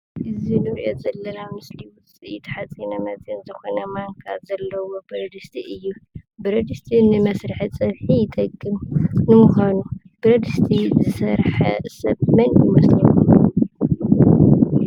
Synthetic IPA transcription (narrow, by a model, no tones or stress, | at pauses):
ʔɨzinɨɾiʔozɐlːɐnamɨsliwʊt͡sʼit̪ʰɐ̥ħat͡sʼinɐmɐt͡sʼjɐnzɨxonɐmaŋkʰa̰zɐlːɐwo̞bɨɾɐd̪ɨst̪ʰiʔɨjːubɨɾɐd̪ɨst̪ʰinɨmɐsɾɨħit͡sʼɐβħijɪt̪ʼɐkʼːɨmnɨmʊxanu | b̥ɨɾɐd̪ɨst̪ʰizɨsɐɾħɐ̰sɐ̰t̪mɐnjɪmɐslɐu